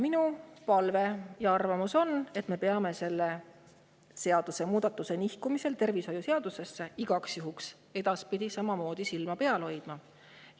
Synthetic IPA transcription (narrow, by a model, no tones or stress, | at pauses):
minupɑlve̞jɑɑrvɑmuso̞ne̞t̪ˑme̞pe̞ɑme̞se̞lːe̞ | se̞ɑd̪̥use̞muːd̪̥ɑt̪ːˑuse̞nihkumise̞lt̪e̞rviso̞juse̞ɑd̪̥use̞sːeiɡ̥ɑksjuɦuks | e̞d̪̥ɑspid̪̥ʲisɑmɑmo̞ːd̪̥isilmɑpe̞ɑlho̞jd̪̥mɑ